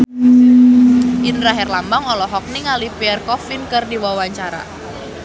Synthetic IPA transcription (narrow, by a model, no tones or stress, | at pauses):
ʔindɾaɦɛrlambaŋɔlɔɦɔk̚niŋalipiɛrkɔfinkɨrdiwawaɲt͡ʃaɾa̰